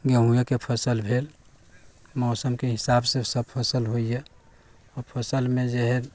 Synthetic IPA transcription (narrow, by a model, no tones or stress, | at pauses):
ɡəɦũjekepʰəsəlbʱeːl | mɔːsəmkeɦɪsabsesəb̚pʰəsəlɦoije | ɔːɾpʰəsəlmẽd͡ʒeɦɛ